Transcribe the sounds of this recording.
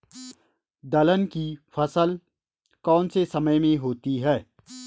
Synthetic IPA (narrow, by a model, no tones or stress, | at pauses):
d̪ɐlənkifʰɐsəl | kɔːnsesɐməjmẽɦoːt̪iɦɛː